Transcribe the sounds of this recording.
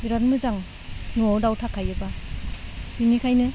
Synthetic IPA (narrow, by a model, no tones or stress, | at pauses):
iɾanmɯzaŋ | nɔdawtʰakʰajɯba | hinikʰajnɯ